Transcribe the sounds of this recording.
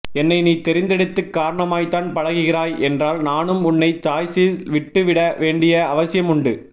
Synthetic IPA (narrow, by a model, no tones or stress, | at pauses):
ɛnːɐɪniːt̪ɛɾɪnd̪ɛɽɯt̪ːɯkːaːɾɐɳɐmaːjt̪aːnpɐɽɐɣɯɣɪɾaːjɛndraːlnaːnɯmʊnːɐɪt͡ʃaːjsiʋɪʈːɯʋɪɽɐʋeːɳɖɪjɐɐʋɐsɪjɐmʊɳɖɯ